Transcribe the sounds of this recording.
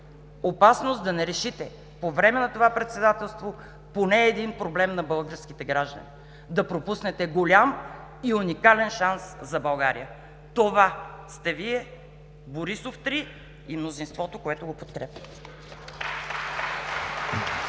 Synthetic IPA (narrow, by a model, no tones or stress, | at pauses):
opasnosd̪ɐnɛɾɛʃit̪ɛ | povɾɛmɛnɐt̪ovapɾɛt̪sɛd̪at̪ɛlˠst̪vo | ponɛːd̪inpɾoblɛmnɐbɐlˠɡəɾskit̪ɛɡɾaʒd̪ə̰nḭ | d̪ɐpɾopusnɛt̪ɛɡolʲam | iunikalɛnʃanszɐbɐlˠɡaɾḭjə | t̪ovast̪ɛviɛ | boɾisoft̪ɾi | imnozinst̪vɔt̪okoɛt̪oɡopot̪kɾɛpʲjət̪